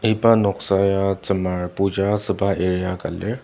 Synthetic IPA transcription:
epanɔksajat͡səmaɾpud͡ʑasəbʱaʔeɾijaka̰lːe

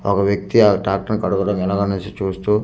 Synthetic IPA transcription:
ɔkɐʋjɐk̚t̪iaʈaːk̚ʈɐnkɐɽuɡɐɽɐmɛlaːɡɐnunt͡ʃit͡ʃuːst̪uː

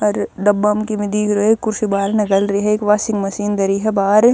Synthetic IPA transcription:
ɔɾɖ̪ɐbːamkimɪd̪ikɾoekːʊɾsibaːɾnɐkəlɾɐɦɛekʋaːsɪ̃ŋɡmɐsiːnd̪ɐɾiɦɛbaːɾ

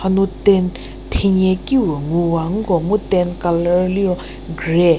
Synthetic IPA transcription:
anut̪ɛn | t̪ʰeɲɛːkiwaŋuːwaŋɡomut̪ɛnkalli | ɡyɹɛː

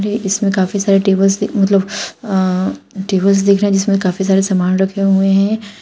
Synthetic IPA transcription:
ɾeʔɪsmẽkaːfisaːɾeʈeːbəlsd̪mɐt̪ləb | ʈeːbəls̬d̪eːkʰɾeɦɛ̃d͡ʒɪsmẽkaːfis̬aːɾesamaːnɾɐkʰeɦʊeɦɛ̃ː

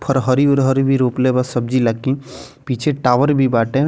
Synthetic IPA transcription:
pʰɔɾɦɔɾiuɾɦɔɾibʱiɾoplebasəb̚d͡ʒilakĩ | pit͡ʃʰeʈaʋəɾbʱibaʈẽ

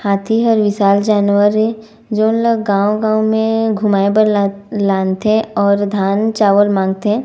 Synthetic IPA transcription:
haːt̪ʰiɦəɾʋɪsaːld͡ʒaːnwəɾe | d͡ʒoːnləɡãːwɡãːw̃mẽɡʱʊmaːepəɾ | laːnt̪eɛ̃ɔːɾd̪ʱaːnt͡ʃaːʋəlmãːŋɡ̚t̪eɦɛ̃ː

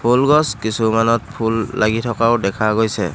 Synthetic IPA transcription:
pʰulɡɔskisumanɔt̚pʰulːaɡitʰɔkaʊdɛkʰaɡojsɛ

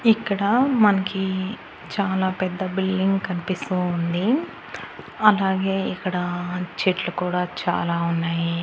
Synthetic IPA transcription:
ikːɐɽɐmɐnɐki | t͡ʃaːlaːpɛd̪ːɐbilːiŋɡkɐnipist̪ond̪i | ɐlaːɡe̞ːikːɐɽɐt͡ʃeʈlukuːɽaːt͡ʃa̰ːlaːunːaːji

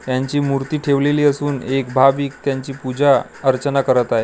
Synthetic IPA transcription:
t̪jaɲt͡ɕiːmuɾt̪iːʈʰeʋleliːəsuːnekbʱabiːk̚t̪jaɲt͡ɕiːpud͡ʑa | əɾt͡ɕənakəɾət̪aɦe

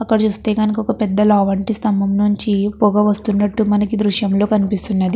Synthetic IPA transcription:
ɐkːɐɽɐt͡ʃuːst̪e̞ːɡɐnɐkɔkɐpɛd̪ːɐloːʋɐɳʈist̪ɐmbɐmnuɲt͡ʃipuɡɐʋɐst̪unːɐʈːumɐnɐkid̪ɾuʂjɐmlo̞ːkɐnipist̪unːɐd̪i

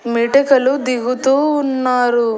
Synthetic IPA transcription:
miːʈɐkɐlud̪iɡut̪uːnːaːɾu

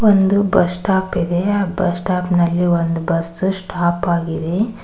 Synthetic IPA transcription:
ʋond̪ubɐsʈaːpid̪e̞aːbɐsʈaːpnɐlːiʋond̪ubɐsːusʈaːpaːɡid̪e̞

